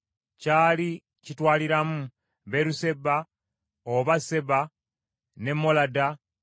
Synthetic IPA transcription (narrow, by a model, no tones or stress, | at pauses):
caːli | citwaːliɾamu | βeɾuse̞ba | oβase̞βa | ne̞mːo̞lada